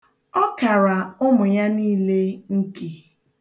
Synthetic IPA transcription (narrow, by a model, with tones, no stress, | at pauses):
ɔ˦ka˨ɾa˨ʊ˦mʊ˨ja˦niː˦le˦ŋ̩˦ki˨